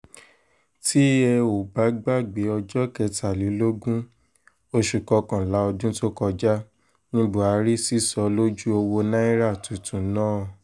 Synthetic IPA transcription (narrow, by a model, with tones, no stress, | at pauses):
ti˦ɛ˧o˨ba˨˦ɡ͡ba˦˨ɡ͡be˨˦ɔ˧d͡ʒɔ˦kɛ˧ta˨li˨˦lo˦ɡũ˦ | o˧ʃu˨kɔ˧kã˨la˨˦ɔ˧dũ˦to˦kɔ˧d͡ʒa˦ | nĩ˦bo˦a˨˧ɾi˦si˦sɔ˨˧lo˦d͡ʒu˦o˧wo˧nã˦i˦ɾa˦˨tu˨tũ˨˦nãː˦˨